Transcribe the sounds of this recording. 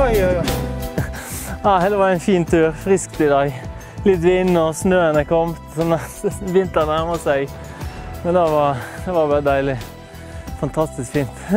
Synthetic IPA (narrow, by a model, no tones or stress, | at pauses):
ɑːhɛːləʋɑɾæɪnfiːnt̪ʰʉːɾfɾɪskt̪ɪd̪ɑːɡ | lɪt̪ʋɪnːɔsnøːənəkʰɔmt̪sɔnʋɪnt̪ənæməsæɡ | mɛnd̪ɛʋɑɾd̪ɛʋɑɾbɑɾəd̪æɪlɪ | fɑnt̪ʰɑst̪ɪskfiːnt̪